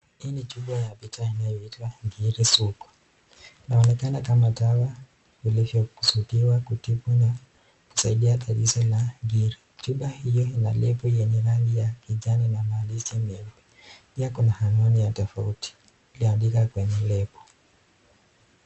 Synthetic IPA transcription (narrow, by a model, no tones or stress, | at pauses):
init͡ʃuɓajavitainajɔitwaɡiɾisukwḁ | naɔnɛkanakamatawa | kilivjɔku̥sutiwakutipwana | ku̥saiɗiataɾisɔlaŋɡiɾit͡ʃuɓahijɔinalɛpɔjɛɲɛɾalijakiʄaninamaːlisɛmɛmɛ | piakunahanɔnijatɔfauti̥ | iliandikakwɛɲɛlɛpɔ̥